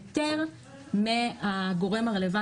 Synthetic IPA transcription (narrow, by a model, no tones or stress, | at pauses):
t̪eʁ | meaɡoʁemaʁeleva